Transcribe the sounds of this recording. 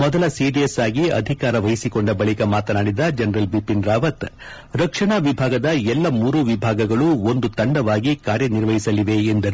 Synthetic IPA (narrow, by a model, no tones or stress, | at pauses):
mɔd̪ɐlɐsiɖiesaːɡiɐ̰d̪ʱikaːɾɐʋɐjisikoɳɖɐbɐɭikɐmaːt̪ɐnaːɽid̪ɐd͡ʒɐnɐɾɐlbipinɾaːʋɐt̪ | ɾɐkʂɐɳaʋibʱaːɡɐd̪ɐɛlːɐmuːɾuʋibʱaːɡɐɡɐɭuo̞nd̪ut̪ɐɳɖɐʋaːɡikaːɾjɐniɾʋɐɦisɐliʋe̞ːnd̪ɐɾu